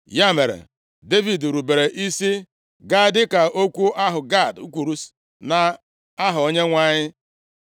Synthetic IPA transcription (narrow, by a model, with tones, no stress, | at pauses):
ja˦˨me˨ɾḛ˨ | de˦vi˨dɾu˨be˨ɾe˨ʔi˦si˦ | ɡa˦˨dɪ˦ka˨o˦kʷu˦ʔa˦ɦʊ˨ɡa˦˨dṵ˦kʷu˨ɾu˦s | na˨ | a˦ɦʊ˨o˦ɲe˦ŋʷa˦˨ɲɪ˦